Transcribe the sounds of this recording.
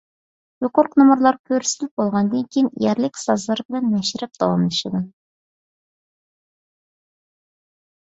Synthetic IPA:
joqoɾqnomuɾlˠɑɾkʲʰøɾsɪlɪp̚bolˠʁɑnd̪ɨŋkʲʰijinjæɾlɪkʲsɑzlˠɑɾbɪlɛnmɛʃɪɾɪp̚d̪̥ɑ̰wɑmlˠɨʃɨd̪ɨ

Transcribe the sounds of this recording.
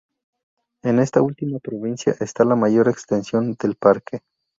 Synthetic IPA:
e̞ne̞st̪ault̪imapɾo̞βinsja̰ʔe̞st̪alamaʝo̞ɾekst̪ensjo̞nd̪e̞lpaɾkʰe

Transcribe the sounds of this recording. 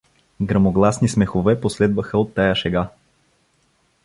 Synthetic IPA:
ɡɾɐmoɡlˠasnismɛxovɛposlɛd̪vəxəot̪ːajaʃɛɡa

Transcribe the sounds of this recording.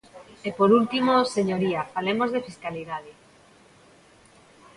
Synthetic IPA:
epoɾult̪imoseɲoɾiafalemozðefiskaliðaðɪ

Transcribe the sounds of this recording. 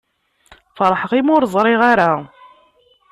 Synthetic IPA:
fɾˤħəqimʊɾzˤɾˤɪʁaɾa

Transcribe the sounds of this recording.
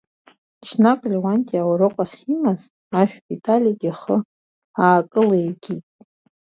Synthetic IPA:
t͡ʃʰnakʼlʲwantʼiawaɾoqʷʼaχʲimaz | aʃᶣbitʼalʲiɡʲaχə | aːkʼɨlejɡʲitʼ

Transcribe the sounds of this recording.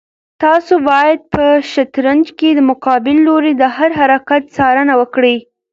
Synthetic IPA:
t̪ɑsobɑjad̪̚pəʃat̪ɾand͡ʒked̪əmʊqɑbɪlːoɾed̪əhaɾɦaɾakat̪sɑɾənawəkɽi

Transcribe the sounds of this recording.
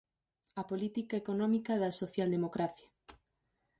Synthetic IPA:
ɐpolit̪ikaekonɔ̃mikɐðɐsoθjald̪emokɾaθja

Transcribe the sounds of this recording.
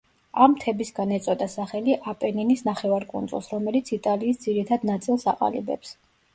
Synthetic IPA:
amt̪ʰɛbisɡanɛt̪sʼɔd̪asaχɛliʔapʼɛninisnaχɛvaɾkʼṵnd̪zʼṵlˠsɾɔmɛlit̪sʰit̪ʼaliːsd̪ziɾit̪ʰad̪nat̪sʼilˠsa̰qʼa̰libɛ̰ps

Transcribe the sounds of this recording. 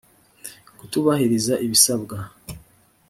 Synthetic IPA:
kutuβahiɾizaʔiβisabɡa

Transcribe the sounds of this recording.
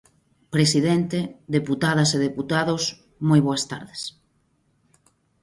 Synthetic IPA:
pɾesiðent̪ed̪eput̪að̞aseðeput̪aðos | mojβoast̪a̰ɾðes

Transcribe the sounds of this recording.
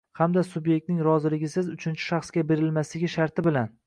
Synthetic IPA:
hamd̪asʊbje̞k̚ʲt̪nɪŋɾɒzɪlɪɡʲɪsɪzʊt͡ʃʰɪnt͡ʃʰɪ̥ʃaχsɡʲabe̞ɾɪlmaslɪɡʲɪʃaɾt̪ʰɪbɪlan

